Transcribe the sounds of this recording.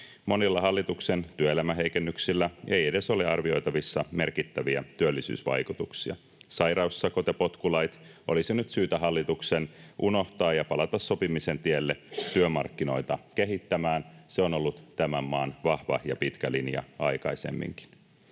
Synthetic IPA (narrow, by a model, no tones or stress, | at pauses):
mo̞nilːɑɦɑlːit̪ukse̞nt̪yøelæmæɦe̞jkenːyksilːæejede̞so̞leɑrʋio̞jt̪ɑʋisːɑme̞rkit̪ːæʋiæt̪yølːisy̰ːsʋɑ̰jkut̪uksiɑ̰ | sɑjɾɑusːɑkot̪jɑpo̞t̪kulɑjt̪ʔo̞lisenyt̪syːt̪æɦɑlːit̪uksenʔuno̞ht̪ɑːjɑpɑlɑt̪ɑsːo̞pimise̞nt̪ielːet̪yømɑrkːino̞jt̪ɑke̞ɦit̪ːæmæːnseo̞no̞lːut̪t̪æmæmːɑːnʋɑhʋɑjɑpit̪kælinjɑ̰ɑjkɑ̰ise̞̰mːḭŋki̥n